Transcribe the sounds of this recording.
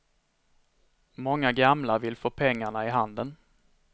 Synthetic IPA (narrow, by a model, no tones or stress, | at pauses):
mɔŋːaɡamlavɪlfoːpʰɛŋːaɳaɪɦand̪ən